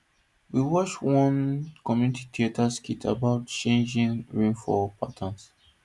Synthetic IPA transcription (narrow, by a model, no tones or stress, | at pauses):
wiwɔt͡ʃwɔ̃nkɔmjunitʰi̥tʰietʰaskitʰa̰baʊtt͡ʃẽnd͡ʒĩŋɹĩnfɔpʰatʰãns